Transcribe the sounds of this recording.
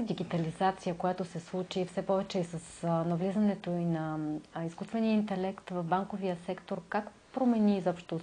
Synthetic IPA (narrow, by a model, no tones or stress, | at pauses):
d̪iɡit̪ɐlizat̪sijəkojat̪osɛslˠut͡ʃifsɛpɔvɛt͡ʃɛisɐsnɐvlizənɛt̪oinɐiskust̪vɛniəint̪ɛlɛkt̪vɐvbaŋkoviəsɛkt̪oɾkak | pɾomɛniːzɔpʃt̪o